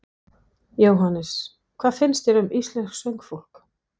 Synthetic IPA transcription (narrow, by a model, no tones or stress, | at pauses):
joːwɦanːɪs | kʰv̥aːðfɪnst̪jɛɾʏmist̪lɛnsksœɥŋkfowl̥k